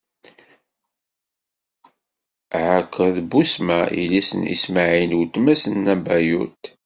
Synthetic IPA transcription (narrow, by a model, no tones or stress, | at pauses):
ʕəkʰːəðbusmæʔḭlæsənḭsmaʕinwt̪ːmæsənːæbæjṵt̪